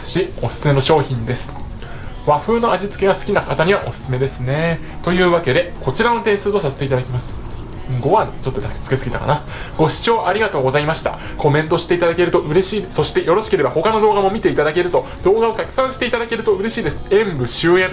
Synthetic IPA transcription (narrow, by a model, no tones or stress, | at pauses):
ɕio̞sɨ̥t͡sɨme̞noɕo̞ːçĩnd̪e̞sɨ̥ | βaɸɯ̟ːno̞aʑit͡sɨ̥kʲe̞ɡasɨ̥kʲinakat̪aɲ̟iβaʔo̞sɨ̥sɨme̞d̪e̞sɨne̞ | t̪o̞jɯ̟ːβake̞d̪e̞ko̞t͡ɕiɾano̞t̪e̞ːsɨːt̪o̞saset̪e̞it̪ad̪akʲimasɨ̥ | ɡo̞βat͡ɕo̞t̪ːod̪aki̥t͡sɨ̥ke̞t͡sɨɡʲit̪a̰ka̰na | ɡ̥o̞ɕi̥t͡ɕo̞ːʔaɾʲiɡat̪o̞ːɡo̞zaimaɕi̥t̪a̰ | ko̞mẽ̞nt̪o̞ɕi̥t̪e̞it̪ad̪ake̞ɾɯ̟t̪o̞ʔɯ̟ɾe̞ɕiːd̪so̞ɕi̥t̪e̞jo̞ɾo̞ɕi̥ke̞ɾe̞baho̞kano̞d̪o̞ːɡamo̞mʲit̪e̞it̪ad̪ake̞ɾɯ̟t̪o̞ | d̪o̞ːɡao̞k̪akɯ̟̥sãɰ̃ɕi̥t̪eit̪ad̪ake̞ɾɯ̟t̪o̞ɯ̟ɾe̞ɕiːd̪e̞sɨ̥ẽ̞mbɯ̟ɕɨːẽ̞